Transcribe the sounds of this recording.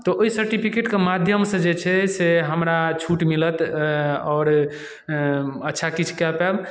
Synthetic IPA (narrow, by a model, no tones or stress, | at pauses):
t̪ɔʔoisəɾʈipʰikeʈkemad̪ʱjəmsə̃d͡ʒet͡ʃʰɛseɦəmɾat͡ʃʰuʈmilət̪ɔːɾ | ətːʃʰakit͡ʃʰkɛpɛb